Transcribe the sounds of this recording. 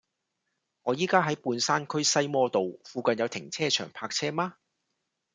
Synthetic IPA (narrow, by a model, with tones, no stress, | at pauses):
ŋɔː˨˧jiː˥kaː˥ɦɐ˨˥jpuː˨˧nsaː˥nkʰɵ˥ɥsɐ˥jmɔː˧t̪o˨wfuː˨˧kɐ˨njɐ˨˧wt̪ʰɪ˨˩ŋt͡sʰɛː˥t͡ʃʰœ̰ː˨˩ŋpʰaː˧k̚t͡sʰɛː˥maː˥